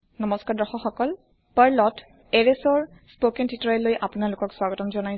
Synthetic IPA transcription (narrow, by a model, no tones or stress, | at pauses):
nɔmɔskaɹdɔxɔxɔkɔl | paɹlɔt | eɹesɔɹ | spokɛntʰitɹɛlojʔapunalʊkɔkswaɡɔtɔmzɔnaj